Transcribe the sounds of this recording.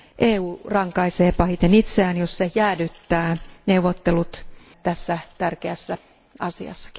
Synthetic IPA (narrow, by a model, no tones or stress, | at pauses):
ʔeːuːrɑŋkɑiseːpɑhit̪enit̪seæːnjossejæːdyt̪ːæːneuʋot̪ːelut̪ | t̪æsːæt̪ærkeæsːæ | ɑsiɑ̰sːɑ̥ki̥